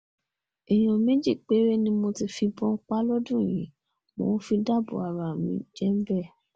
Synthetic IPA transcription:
i˨j̃ɔ̃˨mẽ˦d͡ʒi˦˨k͡pe˨˦ɾe˦nĩ˦mo˧ti˧fi˧bɔ̃˦k͡pa˦lɔ˦dũ˦˨j̃ḭ̃˨˦ | mõ̰˨˦fi˧da˦˨bo̰˨a˨ɾa˨mḭ̃˨˦d͡ʒɛ˦m̩˦bɛ˦˨

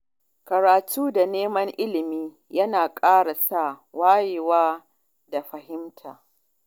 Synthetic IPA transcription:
kɐ˨ɾaː˨tʰuː˦da˨neː˦mɐ˦ŋʔɪ˦lɪ˨miː˦ | jɐ˦naː˨kʼaː˦ɽa˨sa˦˨waː˦je˨waː˦ | da˨ɸɐ˨ɦɪ˦mtʰaː˨

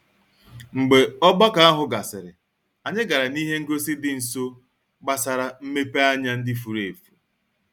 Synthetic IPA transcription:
ŋ͡m̩˨ɡ͡be˨ɔ˦ɡ͡ba˦ka˨a˦ɦʊ˦ɡa˨sɪ˨ɾɪ̰˨ | a˨ɲɪ˦ɡa˨ɾa˨ni˦ɦe˦ŋ̩˦ɡo˦si˦dɪ˦n̩˨so˦ | ɡ͡ba˦sa˨ɾa˨m̩˦me˦pe˦a˦ɲa˦n̩˦dɪ˦fu˨ɾe˨fu˨

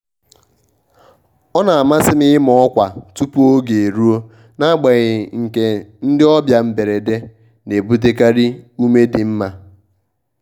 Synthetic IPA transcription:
ɔ˦na˨a˨ma˦sɪ˦mɪ˦ɪ˦mɔ˨ɔ˦kʷa˨tu˦pu˦o˦ɡe˨e˨ɾu˦o˦ | na˦ɡ͡be˨ɣɪ˨ŋ̩˨ke˨n̩˦dɪ˦ɔ˦bja˨m̩˦be˨ɾe˨de˦ | ne˨bu˦te˦ka˦ɾɪ˦u˦me˦dɪ˨m̩˦ma˨

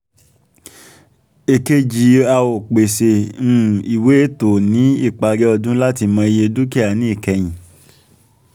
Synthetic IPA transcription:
e˨ke˧˦d͡ʒi˨˦a˧wo˨k͡pe˨sẽ˨˦˨ | i˨we˨˦e˦to˨nĩ˨˦i˦˨k͡pa˧ɡɛ˦ɔ˧dũ˦la˦ti˧mɔ̃˧i˧je˧du˦ki˦a˨nĩ˦i˦˨kɛ˨j̃ĩ˨

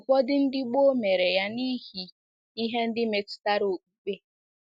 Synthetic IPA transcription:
kʷɔ˦dɪ˦n̩˦dɪ˦ɡ͡bo˦me˨ɾe˨ja˦ni˦ɦi˦ | i˦ɦe˦n̩˦dɪ˦me˨ti̥˦ta˦ɾo˨k͡pu˦ɡ͡be˦

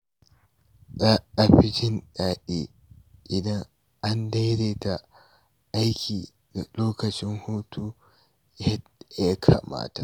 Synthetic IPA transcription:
za˦ʔa˨ɸɪ˦t͡ʃɪ˦nɗaː˨ɗeː˦ | ʔɪ˨dɐ˦ŋ | ʔa˦nda˦jɾeː˦ta˨ | ʔa˦jkʲʰiː˨ | da˨loː˦kɐ˨t͡ʃɪ˦ŋhuː˦tʰuː˦ | jja˦kʰa̰˨ma̰ː˦ta̰˨

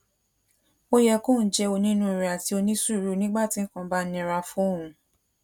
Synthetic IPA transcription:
o˦jɛ˧kõ˦˨n̩˦d͡ʒɛ˧˦o˧nĩ˦nũ˦i˧ɾi˨a˨ti˧o˧nĩ˦su˦˨ɾu˨˦nĩ˦ɡ͡ba˦˨tĩ˨˦ŋ̩˦kã˧ba˦nĩ˧ɾa˧fũ˦o˦˨ũ˧

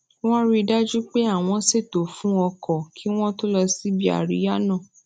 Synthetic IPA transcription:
w̃ɔ̃˦ɾi˧da˦d͡ʒu˦k͡pe˦a˦˨w̃ɔ̃˨˧se˦˨to˨fũ˨˦ɔ˧kɔ˨kʰi˦w̃ɔ̃˦to˦lɔ˧si˦bi˦a̰˦˨ɾḭ˨˦ja˦nã˦˨

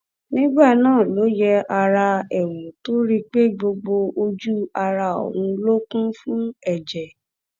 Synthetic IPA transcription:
nĩ˦ɡ͡ba˦˨nãː˦˨lo˨˦jɛ˦a˧ɾa˧ɛ˨wu˨to˦ɾi˦k͡pe˦ɡ͡bo˧ɡ͡bo˧o˧d͡ʒu˦a˧ɾa˧o̰˨wũ˧lo˦kũ˦fũ˦ɛ˨d͡ʒɛ˨

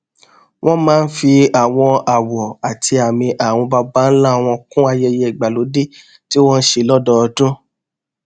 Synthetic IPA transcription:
wʔɔ̃˦mãː˦n̩˦fi˧a˨w̃ɔ̃˧a˨wɔ˨a˨ti˧a˨mĩ˧ʔa˨w̃ɔ̃˧ba˧ba˨˦n̩˦la˦˨w̃ɔ̃˧kũ˦a˧jɛ˧jɛ˧i˨ɡ͡ba˨lo˨˦de˦˨ | ti˦w̃ɔ̃˦n̩˦ʃe˧lɔ˦dɔ˦˧dũ˦

